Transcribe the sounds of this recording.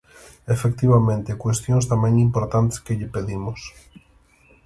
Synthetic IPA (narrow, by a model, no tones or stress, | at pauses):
efekt̪iβamẽnt̪ekwest̪jõŋst̪amɛ̃ŋimpoɾt̪ant̪e̥skeʎɪpeðimʊs